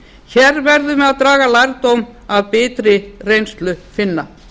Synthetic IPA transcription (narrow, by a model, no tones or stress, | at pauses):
çɛɾvɛɾðʏmɛðaðt̪ɾaːɣalajɾt̪owmaðpɪːt̪ɾɪrejnst̪lʏfɪnːa